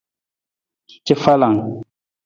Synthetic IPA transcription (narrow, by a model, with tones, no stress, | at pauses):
t͡ʃɛ˦fa˦la˨ŋ